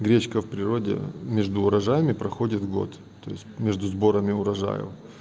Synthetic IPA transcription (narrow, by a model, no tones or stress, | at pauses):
ɡɾʲet͡ɕkəfpɾʲɪɾo̞dʲḛmʲeʐd̪ʊːɾɐʐajɪmʲɪpɾɐxo̞dʲɪt̪vɡo̞̰t̪ | t̪ːo̞̰jɪ̰sʲtʲmʲeʐd̪ʊzbo̞ɾəmʲɪʊɾɐʐa̰jɪ̰v